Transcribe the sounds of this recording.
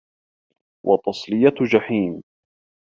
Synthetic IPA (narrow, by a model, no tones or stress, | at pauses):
wʔɑt̪ˤɑsˤlɪjad͡ʒaħiːm